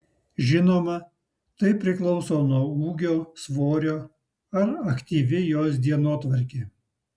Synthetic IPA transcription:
ʒʲɪnoːmɐ | t̪ɐɪpʲɾʲɪklˠɒʊsoːnuɔuːɡʲoːsʋoːɾʲoː | ɐɾɐkt̪ʲiːʋʲɪjoːs̬d̪ʲiɛnoːt̪ʋɐɾʲkʲeː

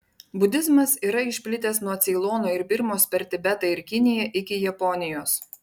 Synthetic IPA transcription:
bʊd̪ʲɪzmɐsiːɾɐɪʃʲpʲlʲɪt̪ʲɛsnuɔt̪sʲɛlˠɔːnoːɪɾbʲɪɾmoːspʲɛɾʲt̪ʲɪbʲɛt̪ɐɪɾkʲɪnʲɪjɛʔɪkʲɪjɛpɔnʲɪjoːs

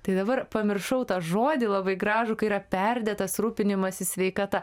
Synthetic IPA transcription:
t̪ɐɪd̪ɐbɐrpɐmʲɪrʃɐʊt̪ɑːʒoːd̪ʲɪlˠɐbɐɪɡɾɑːʒʊkɐɪiːɾɐpʲɛrʲd̪ʲɛt̪ɐsruːpʲɪnʲɪmɐsʲɪsʲʋʲɛɪkɐt̪ɐ

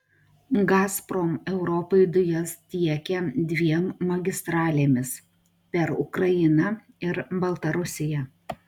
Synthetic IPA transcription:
ɡɑːspɾoːmɛʊɾɔpɐɪd̪ʊjɛst̪ʲiɛkʲɛd̪ʲʋʲiɛmːɐɡʲɪst̪ɾɑːlʲeːmʲɪs | pʲɛɾʊ̰kɾɐjɪnɐ | ɪɾbɐlˠt̪ɐɾʊsʲɪjɛ

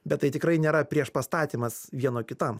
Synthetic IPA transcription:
bʲɛt̪t̪ːɐɪt̪ʲɪkɾɐɪnʲeːɾɐpʲɾʲiɛʃpɐst̪ɑːt̪ʲiːmɐsʋʲiɛnoːkʲɪt̪ɐm

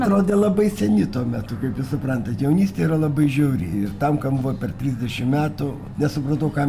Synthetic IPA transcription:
ɾoːd̪ʲeːlˠɐbɐɪsʲɛnʲɪt̪uɔmʲæt̪ʊkɐɪpjɪsʊpɾɐnt̪ɐt̪jɛʊnʲiːsʲt̪ʲeːiːɾɐlˠɐbɐɪʒʲɛʊɾʲɪ̰ɪrt̪ɐmkɐmbʊʋɐpʲɛrt̪ʲɾʲiːzʲdʲɛʃʲɪmmʲæːt̪ʊ | nʲɛsʊpɾɐt̪ɐʊkɑ

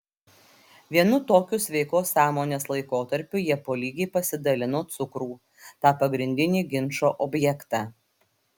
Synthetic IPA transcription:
ʋʲiɛnʊt̪oːkʲʊsʲʋʲɛɪkoːsːɑːmoːnʲeːslˠɐɪkoːt̪ɐɾʲpʲʊjiɛpoːlʲiːɡʲɛɪpɐsʲɪd̪ɐlʲɪnoːt̪sʊkɾuː | t̪ɑːpɐɡɾʲɪnʲd̪ʲɪnʲiːɡʲɪnʃoːʔɔbʲjɛkt̪ɑː

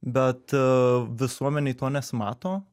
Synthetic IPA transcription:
bɛt̪vəsɔmɛnit̪ɔnɛsmat̪ɔ

